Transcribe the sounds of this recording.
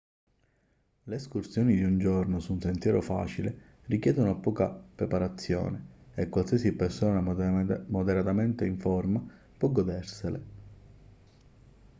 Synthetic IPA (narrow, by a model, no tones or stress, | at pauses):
leeskursjɔːnid̪iund͡ʒɔrnosunsent̪jɛːɾofa̰ːt͡ʃile | rikjɛːd̪onoapɔːkapɾepaɾat̪sːjɔ̰ːne | ekːwalsiɛsipersɔːnamod̪eɾat̪ament̪eiɱfɔrma | pwɔɡɔd̪ɛrsele